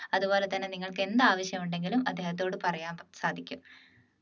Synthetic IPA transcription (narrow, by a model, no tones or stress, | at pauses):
ɐðubo̞ːle̞t̪ːɐnːeniŋːɐɭke̞nd̪aːʋɐɕjɐmuɳɖe̞ŋɡilumɐ̰d̪ːe̞ːhɐt̪̬ːoːɽɨpɐrɐjaːmsaːd̪ʱikʲːum